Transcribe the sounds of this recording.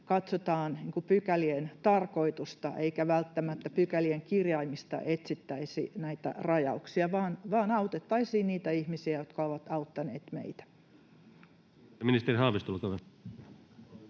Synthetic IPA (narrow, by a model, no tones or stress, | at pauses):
kɑt̪sot̪ɑːnniːŋkupykælient̪ɑrko̞it̪ust̪ɑ̰ʔeikæʋælt̪ːæmæt̪ːæpykælieŋkirjɑimist̪ɑ̰ʔet̪sit̪ːæisḭnæit̪æ̰rɑjɑ̰uksiɑʋɑːnʋɑːnɑut̪et̪ːɑisiːnniːt̪æihmisiæjot̪kɑoʋɑt̪ɑut̪ːɑnḛːt̪mḛit̪æ̥ | minist̪erihɑːʋist̪ulkoʋe